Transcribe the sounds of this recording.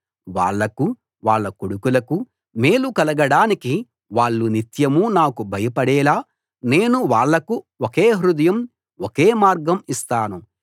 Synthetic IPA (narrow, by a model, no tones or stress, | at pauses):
ʋa̰ːɭːɐku | ʋaːɭːɐkoɽukulɐku | me̞ːlukɐlɐɡɐɽaːniki | ʋaːɭːunit̪jɐmunaːkubʱɐjɐpɐɽɛːlaː | ne̞ːnuʋaːɭːɐku | okeːɦɾud̪ɐjɐm | oke̞ːmaːɾɡɐmist̪aːnu